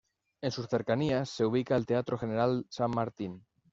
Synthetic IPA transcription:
e̞nsusθe̞ɾkaniasːe̞uβ̞ikaelt̪eat̪ɾoxene̞ɾalsamːaɾt̪in

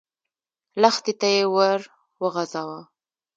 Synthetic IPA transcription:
laxt̪it̪ajewaɾ | wəɣazawa

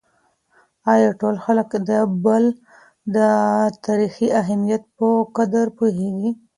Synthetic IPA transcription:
ɑjɑʈolxaləkd̪əbəl | d̪ət̪aɾixiaɦamijat̪̚pəkad̪aɾpuɦeɡi

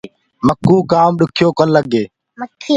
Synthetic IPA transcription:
məkːuːkaːmɗʊkʰjoːkənləɡeː | məkː

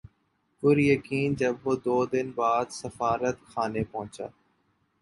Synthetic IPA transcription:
kʊɾjəkiːnd͡ʒəbːod̪oːd̪ɪnbaːd̪səfaːɾət̪kʰaːneːpɐɦʊ̃t͡ʃa̰ː

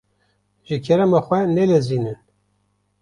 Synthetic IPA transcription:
ʒɨkʰɛɾɛmɑxʷɛnɛlɛzinɨn

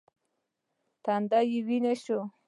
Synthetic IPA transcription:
t̪and̪ajiwineɕo

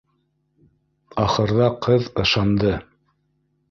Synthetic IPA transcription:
ɑχɤ̆ɾðɑqɤðɤ̆ʃɑnd̪ɤ

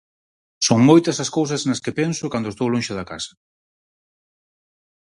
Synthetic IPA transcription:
soŋmojt̪ɐsɐskows̬ɐsnɐskɪpɛnsʊkand̪oest̪owlõnʃɪðɐka̰sɐ̥

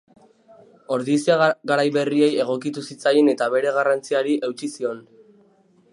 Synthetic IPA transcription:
o̞ɾðisiaɣaɾajβe̞rie̞je̞ɣ̞o̞kit̪usit͡sajene̞t̪aβe̞ɾe̞ɣarant͡siaɾiʔe̞wt͡ʃisio̞n

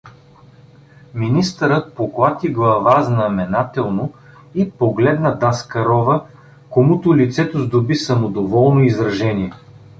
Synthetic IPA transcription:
minist̪əɾət̪̚poklˠat̪ʲiɡlˠɐvaznɐmɛnat̪ɛlˠno | ipoɡlɛd̪nəd̪askɐɾɔvə | komut̪ʊlit̪sɛt̪ozd̪obisɐmod̪ovɔlˠnoizɾɐʒɛnʲiɛ

